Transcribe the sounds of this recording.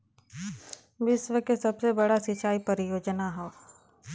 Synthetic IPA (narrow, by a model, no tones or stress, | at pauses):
bɪsʋəkesɐbsebɐɽasɪt͡ʃaːipɐɾɪjoːd͡ʒnaɦɛ